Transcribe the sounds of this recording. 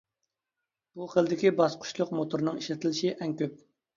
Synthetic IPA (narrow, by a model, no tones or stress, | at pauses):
b̥uχəlˠd̪ɪkʲibɑsqʰʊ̥ʃlˠʊqmot̪ʰuɾnɨŋiʃlɪt̪ʰɪlɪʃiʔɛŋkʲøp̚